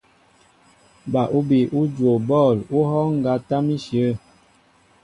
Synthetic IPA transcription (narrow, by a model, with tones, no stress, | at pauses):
ba˨ʔu˦bi˨ʔu˦d͡ʒwo˨bɔ˦˨lu˦ɦɔ˦ŋ̩˨ɡa˨ta˦mi˦ʃjə˨˦